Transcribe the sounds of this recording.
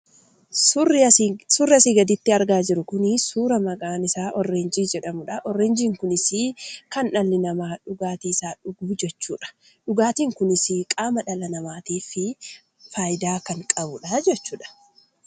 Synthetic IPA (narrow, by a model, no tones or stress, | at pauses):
surːɪɐsiɡɐd̪ɪt̪ːɪɐɾɡaːd͡ʒɪɾʊkʊnɪsuːɾɐmɐɡaːnɪsaːʔɔrːeːnd͡ʒiːd͡ʒɛᶑɐmʊᶑɐʔɔrːeːnd͡ʒiːŋkʊnɪsɪkɐnʔɐlːɪnɐmaːᶑʊɡaːt̪iːsaːᶑʊɡuːd͡ʒɛt͡ʃːṵːᶑɐ̥ | ᶑʊɡaːt̪iːŋkʊnɪsɪkʼaːmɐᶑɐlɐnɐmaːt̪iːfɪ | faːjɪd̪aːkɐŋkʼɐbʊᶑɐd͡ʒɛt͡ʃːuːᶑɐ̥